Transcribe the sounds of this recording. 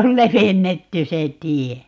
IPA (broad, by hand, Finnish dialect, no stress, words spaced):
ol leʋenːetːy se tie